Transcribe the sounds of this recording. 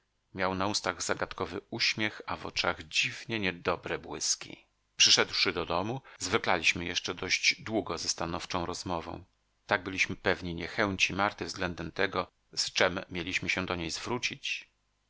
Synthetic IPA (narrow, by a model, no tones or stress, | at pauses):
mʲjawnaust̪aɣzaɡat̪kɔvɘuɕmʲjɛxavɔ̰t͡ʂaɣd͡ʑivɲɛɲɛd̪ɔbɾɛbwɘskʲḭ | pʂɘʂɛd̪wʂɘd̪ɔd̪ɔmuzvɘklalʲiɕmɘjɛʂt͡ʂɛd̪ɔʑd͡ʑd̪wuɡɔzɛst̪anɔft͡ʂɔ̃w̃ɾɔzmɔvɔ̰̃w̃ | t̪aɡ̚bɘlʲiɕmɘpɛvɲiɲɛxɛw̃t͡ɕimaɾt̪ɘvzɡlɛnd̪ɛmt̪ɛɡɔ | st͡ʂɛmʲːjelʲiɕmɘɕɛ̃d̪ɔɲejzvɾut͡ɕit͡ɕ